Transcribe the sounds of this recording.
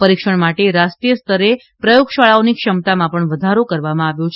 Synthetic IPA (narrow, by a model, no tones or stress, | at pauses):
pəɾikʃəɳmaʈeɾast̪ɾijəst̪əɾe | pɾəjoɡʃaɭaonikʃəmt̪amãpəɳʋəd̪ʱaɾokəɾʋamãaʋjõt͡ʃʰ